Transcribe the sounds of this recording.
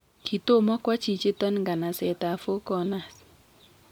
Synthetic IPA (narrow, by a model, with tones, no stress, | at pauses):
kʰi˨to˦mɔ˦kwa˦t͡ʃi˨t͡ʃe˦tɔ˦nŋɡa˨na˨sɛ˨ta˨fo˦kɔ˨na˨s